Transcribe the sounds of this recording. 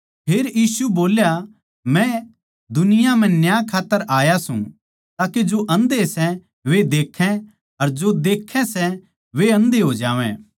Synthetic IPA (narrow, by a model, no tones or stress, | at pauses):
pʰeːɾjiːsuboːlja | mɛ̃ | d̪ʊnɪjãmɛ̃njaːkʰaːt̪ːəɾʔaːjasṵ̃ | t̪aːked͡ʒoʔɐ̃nd̪esɛ | ʋed̪eːkʰːɛ̃ | ɐɾd͡ʒod̪eːkʰːɛ̃sɛ | ʋeɐ̃nd̪eɦoːd͡ʒaːʋɛ̰̃